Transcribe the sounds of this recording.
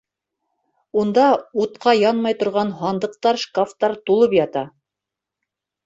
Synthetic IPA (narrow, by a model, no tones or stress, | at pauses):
und̪ɑut̪̚qʰɑjɑnmɑjt̪ŏɾʁɑnɦɑnd̪ɤ̆q̚t̪ɑɾʃkaft̪ɑɾt̪ulˠɤpjɑt̪ɑ